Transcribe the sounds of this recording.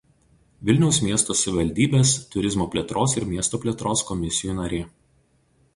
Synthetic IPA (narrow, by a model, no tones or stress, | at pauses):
ʋʲɪlʲnʲɛʊsmʲiɛst̪oːsʲʋʲɪʋɐlʲd̪ʲiːbʲeːst̪ʊɾʲɪzmoːpʲlʲeɛt̪ɾʔoːsɪɾmʲiɛst̪oːpʲlʲeɛt̪ɾoːskɔmʲɪsʲɪjuːnɐɾʲeː